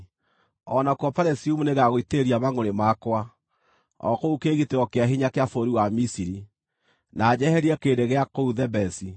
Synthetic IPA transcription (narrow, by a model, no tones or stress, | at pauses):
ɔnakwɔpaɾɛsiumuneɣaɣoiteeɾiaβaŋoɾemakwa | ɔ̰koukeːɣiteɣɔkeaɦiɲakeafoɾiwamisiɾi | naːd͡ʑɛhɛɾiɛkeːdeɣeakouðɛbɛsi